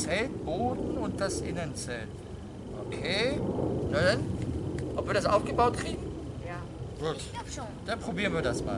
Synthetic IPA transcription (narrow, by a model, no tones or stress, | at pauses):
t͡sɛlt̚b̥oːdn̩ʊnt̚d̥asʔɪnənt͡sɛlt | ʔokʰeːnadanʔɔpviːɐdas̬ʔa̰ʊfɡ̥əbaʊt̚kʁ̥iːɡŋ̩ | ja | ɡ̥uːt | o | d̥anpʁ̥obiːʁənviːɐdasma̰ː